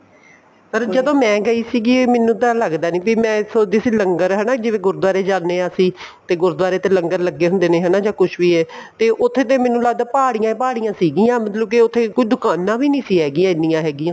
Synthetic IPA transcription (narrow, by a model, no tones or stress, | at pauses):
pəɾd͡ʒəd̪õːmɛ̃ːɡəiːsiːɡiːmɛːnũːt̪aːləɡd̪aːnĩːpiːmɛ̃ːsoːd̪iːsiːləŋɡəɾɦɛːnaːd͡ʒɪʋeːɡʊɾd̪ʋaːɾeːd͡ʒaːnːeːaːsĩː | t̪eːɡʊɾd̪ʋaːɾeːt̪eːləŋɡəɾləɡːeːɦʊ̃nd̪eːnẽːɦɛːnaːd͡ʒaːkʊʃʰʋiːɦɛːt̪eːʔʊt̪ʰːeːt̪̬eːmɛ̃ːnũːləɡd̪aːpaːɽijãːpaːɽijãːsiːɡiːãːmət̪ləb̚kiʊt̪ʰːeːkʊt͡ʃid̪ʊkaːnãːʋiːnĩːsiːɦɛːɡijãːɪnːijãːɦɛːɡiːãː